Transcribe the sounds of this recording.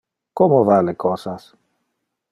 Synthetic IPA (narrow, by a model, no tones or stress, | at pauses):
komovalekɔsas